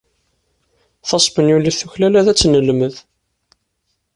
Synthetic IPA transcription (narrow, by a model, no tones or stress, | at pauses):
θɑsˤbənjuliθuçlælæðæt͡sːnəlməð